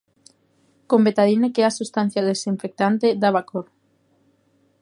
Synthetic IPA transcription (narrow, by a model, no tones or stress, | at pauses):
kombet̪aðinekeasust̪an̟θjaðesiɱfek̚t̪ant̪ed̪aβakoɾ